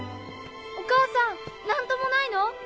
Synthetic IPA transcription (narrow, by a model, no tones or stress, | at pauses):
okaːsãŋnãnt̪o̞mo̞naino̞